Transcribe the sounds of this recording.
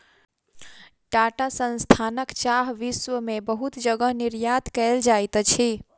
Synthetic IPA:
ʈaʈasə̃nst̪ʰanəkt͡ʃaɦʋiswəmebəɦut̪d͡ʒəɡəɦniɾjad̪kəeld͡ʒajt̪t͡ʃʰi

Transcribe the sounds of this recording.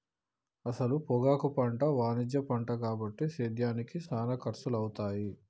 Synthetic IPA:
ɐsɐlupɔɡaːkupɐɳʈɐʋaːnid͡ʒjɐpɐɳʈɐkaːbɐʈːiseːd̪jaːnikisaːnɐkɐɾsulɐwt̪aːji

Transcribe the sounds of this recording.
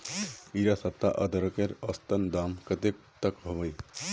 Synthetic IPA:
iɾasəp̚t̪aʔəd̪ʱəɾkeɾəst̪ənd̪amkət̪ek̚ | t̪əkɦɔbəj

